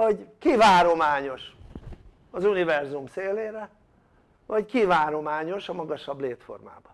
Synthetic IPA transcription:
oɟkivaːɾo̞maːɲo̞ʃ | ɒzunivɛrzumseːleːɾɛ | vɒɟkivaːɾo̞maːɲo̞ʃɒmɒɡɒʃɒbleːt̪fo̞̰rma̰ːbɒ

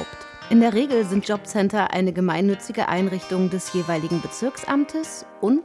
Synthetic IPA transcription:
ʊpt | ʔɪndeːɐʁeːɡl̩zɪnt̚d͡ʒ̥ɔpt͡sɛntɐʔa̰ɪnəɡəmaɪnːʏt͡sɪɡəʔa̰ɪnʁɪçtʊŋdɛsjeːvaɪlɪɡŋ̩bət͡sɪɐksʔa̰mtʰəs | ʔʊnt

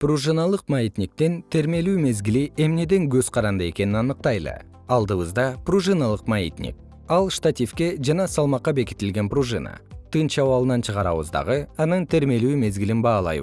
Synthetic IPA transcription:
pruʒɨnɑlˠəqmait̪nʲik̚t̪e̞nt̪ʰeɾme̞lume̞zɡʲɪlie̞mne̞d̪e̞ŋkʲʰɵzqʰɑɾɑnd̪ɑe̞̰kʲe̞nɪnɑnəq̚t̪ɑjlˠə̰ | ɑlˠd̪əwəzd̪ɑpruʒɨnalˠəqmaḭt̪nʲḭk̚ | ɑlˠʃt̪at̪ʲifkʲe̞ʒɑnɑsɑlˠmɑqːɑbe̞kʲɪ̥t̪ɪlɡʲe̞npruʒɨna̰t̪ʰɨnʃɑwɑlˠənɑnʃəʁɑɾɑ̰wə̰zd̪ɑ̰ʁəɑnəɴt̪ʰeɾme̞luɪme̞zɡʲɪlɪnbɑlˠɑ̰j

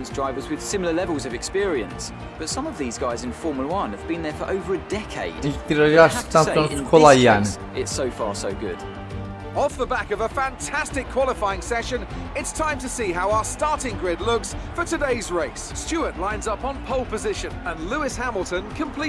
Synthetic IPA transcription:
nsdɹaɪvə˞zwɪð̥sɪ̃ml̩ˠəlɛvəlˠzʌvɨkspɪɹiə̰̃ns | b̥ʌtsʌ̃mʌvðizɡaɪzɨ̃nfɔɹməwʌ̃nəvbĩnðə˞fə˞ʔəʊvə˞ɨdɛkʰḛɪd̥iɾəaʃtʰãɔñkʰɔlajæ̃n | ʔɪtsoʊfɑ̰ɹsoʊɡʊ̰d̥ | ɔfðəbækʌvəfæ̃ntʰæstɪkʰw̥ɒlˠɪfaɪɪ̃ŋsɛʃɨ̃nɪtstʰãɪ̃mtʰɨsiɦaʊaəstɑɹɾɪ̃ŋɡɹɪdˡlʊɡz̥fətʰɨdeɪzɹeɪsːt͡ʃʉəʔˡlãɪ̃nzʌpn̩pʰoʊlˠpəzɪʃɨ̃nə̃nlʉɪshæml̩ˠtə̃nkʰə̃mpʰl̥i

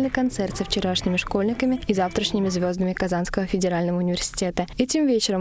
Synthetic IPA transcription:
lnɨkɐnt̪sɛrt̪sɨəft͡ɕɪɾaʂnʲɪmʲɪʂko̞lʲnʲɪkəmʲɪizaft̪ɾəʂnʲɪmʲɪzvʲo̞zd̪əmʲɪkɐzanskəvəfʲɪdʲɪɾalʲnəvəʊnʲɪvʲɪrsʲɪ̥tʲet̪əɛtʲɪmvʲet͡ɕɪɾə

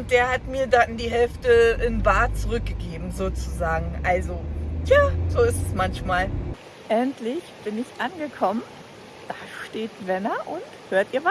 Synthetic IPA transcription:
ʊnt̚d̥eːɐhatmiːɐdandiːɦɛlftəʔɪnbaːt̚t͡suʁʏk̚ɡ̥əɡeːbm̩zoːt͡suzaːɡŋ̩ʔalzotʰjaːz̥oːɪstɛsmançmaːl | ʔɛntʰlɪçb̥ɪnɪçʔanɡəkʰɔmən | d̥aːʃteːtvɛnɐʔʊnthøːɐtiːɐva

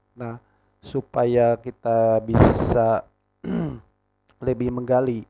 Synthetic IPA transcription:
nah | supajakit̪abisa | ləbɪhməŋɡali

